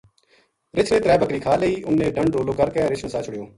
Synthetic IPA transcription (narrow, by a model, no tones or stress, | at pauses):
ɾɪt͡ʃʰɾẽːt̪ɾɛːbəkɾiːkʰaːleiːʔʊnːẽːɖəɳɖɖoːloːkəɾkeːɾɪt͡ʃʰnəsaːt͡ʃʰʊɽɪjoː